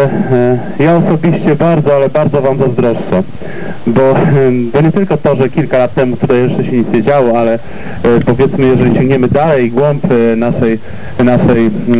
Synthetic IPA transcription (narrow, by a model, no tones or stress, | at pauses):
jaɔsɔbʲiɕt͡ɕɛbaɾd̪zɔalɛbaɾd̪ɔvamzazd̪ɾɔʂʂɛ | bɔbɔɲɛt̪ɘlkɔt̪ɔʐɛkʲilkalat̪ːɛmut̪ut̪ajɛʂt͡ʂɛɕɛɲɛzʲjed͡ʑawɔalɛ | pɔvʲjɛt̪smɘjɛʐɛlʲiɕɔ̃ŋɡɲɛmɘd̪alɛjɡwɔmpnaʂɛj | naʂɛj